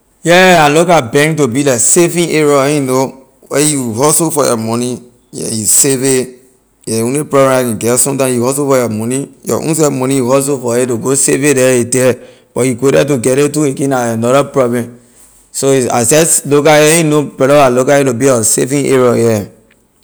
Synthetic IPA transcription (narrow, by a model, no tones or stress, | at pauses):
jɛalokabɛ̃ŋtobilaksefĩŋeɹoĩno | wɛjuɦɔsofɔjɔ̰mɔni | jɛ̰juseve | jɛwũnepɾɔbɛ̃akɛ̃ɡɛsɔ̃mtãmjuhɔs̬ofɔjɔmɔnijɔ̰ʔṵ̃ns̬ɛmɔnĩjuhɔs̬ofɔetoɡosevedɛedɛ | b̥ɔjukodɛt̬oɡɛɾetuekĩnaanɔɾapɾɔblɛ̃m | soia̰sɛlokajɛinopɛlɔalokajɛtobiɔsḛfĩʔḛɹojɛ